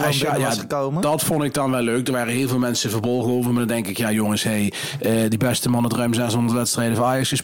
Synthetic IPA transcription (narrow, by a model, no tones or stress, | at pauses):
ajaowmədɑtfɔndɪɡ̚dɑnʋɛlːøɥk̚dəɹʋaːrəɦɪːlˠvɪːlˠmɛnsəvərbɔlˠɣəowvərmaːdɑndɛŋkɪkjaːjoŋəsɦej | ədibɛstəmɑnətrœɥmzɛsɦɔndədʋɛtstrɛjdəvɑnaːjɑksəs